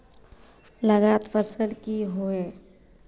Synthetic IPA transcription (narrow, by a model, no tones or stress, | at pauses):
ləɡaːt̪pʰəsəlkiɦoe